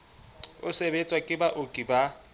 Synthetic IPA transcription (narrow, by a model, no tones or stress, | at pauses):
ʊsebet͡sʼwakʼɪbaʔʊkʼiba